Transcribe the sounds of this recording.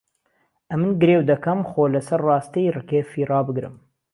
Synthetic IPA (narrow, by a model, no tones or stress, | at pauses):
ʔɐmɨnɡɨɾewd̪ɐkɐmxoːlɐsɐɾːɑːst̪ijrɨkeːfiːrɑːbɨɡɾɨ̰m